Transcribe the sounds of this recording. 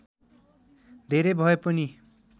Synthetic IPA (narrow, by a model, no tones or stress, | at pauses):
d̪ʱeɾebʱʌepʌni